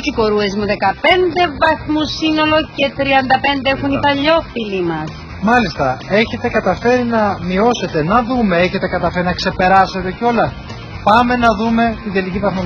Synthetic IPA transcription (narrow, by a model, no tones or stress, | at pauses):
ciko̞ɾue̞zmuðe̞kɐpe̞nd̪e̞vɐθmusino̞lo̞ce̞t̪ɾiɐnd̪ɐpe̞nd̪eexunipɐʎo̞filimɐs | mɐlist̪ɐe̞çe̞t̪e̞kɐt̪ɐfe̞ɾinɐmio̞se̞t̪e̞nɐðume̞e̞çe̞t̪ekɐt̪ɐfe̞ɾinɐkse̞pe̞ɾɐse̞t̪e̞ceo̞lɐ | pɐme̞nɐðume̞tt̪id̪elicivɐθmo